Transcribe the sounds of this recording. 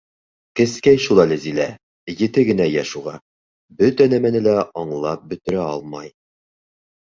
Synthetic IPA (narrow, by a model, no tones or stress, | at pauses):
kɘ̆skæjʃulˠɑlɘzilæ | jɘ̆t̪ɘɡɘ̆næjæʃuʁɑ | bɵt̪ænæmænɘlæʔɑɴlˠɑp̚bɵ̆t̪ɘ̆ɾæɑlˠmɑj